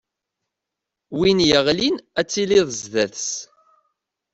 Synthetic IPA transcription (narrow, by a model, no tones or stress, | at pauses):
winjəʁlinæt͡sːiliðˤəzðæθs